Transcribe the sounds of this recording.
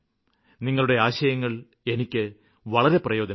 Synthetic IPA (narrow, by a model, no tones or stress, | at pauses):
niŋːɐɭuɽe̞aːɕɐjɐŋːɐɭ | e̞nikʲːɨ | ʋɐɭɐɾe̞prɐjo̞ːd̪ɐ